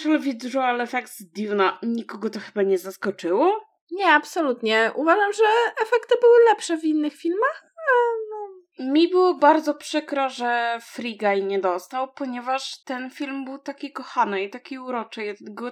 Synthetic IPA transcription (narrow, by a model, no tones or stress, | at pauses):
ʂɛlvʲid̪ʐɔalɛfɛksd̪ʲivnaɲikɔɡɔt̪ɔxɘbaɲɛzaskɔt͡ʂɘwɔ | ɲɛapsɔlut̪ɲɛʔuvaʐamʐɛɛfɛkt̪ɘbɘwɘlɛpʂɛvinːɘxfʲilmax | anɔ | mʲibɘwɔbaɾd̪zɔpʂɘkɾɔʐɛfɾiɡajɲɛd̪ɔst̪awpɔɲɛvaʂt̪ɛnfʲilmbɘwt̪akʲikɔxanɘit̪akʲiuɾɔt͡ʂɛjɡɔ